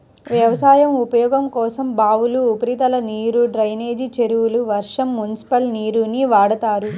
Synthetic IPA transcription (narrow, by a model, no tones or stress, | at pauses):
ʋjɐʋɐsaːjɐmupɐjɔːɡɐmkɔːsɐmbaːʋuluːpɐɾit̪ɐlɐniːɾuɖɾɐjneːd͡ʒit͡ʃe̞ɾuwuluʋɐɾʂɐmːunisi̥pɐlniːɾuniʋaːɽɐt̪aːɾu